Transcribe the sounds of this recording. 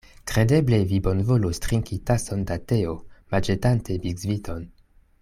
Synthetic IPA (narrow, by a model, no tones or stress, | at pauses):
kɾe̞de̞ble̞vibo̞nvolostɾiŋkitaso̞ndateomad͡ʒetantʰe̞biɡzvitʰo̞n